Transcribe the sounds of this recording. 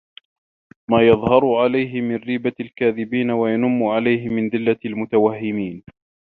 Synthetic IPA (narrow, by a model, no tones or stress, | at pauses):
maːjɑðˤhɑɾˤʊʕalajɦɪmɪnɾiːbalkaːðɪbiːnawajanʊmːʊʕalajɦɪmɪnðˤɪlːalmʊt̪awahːɪmiːn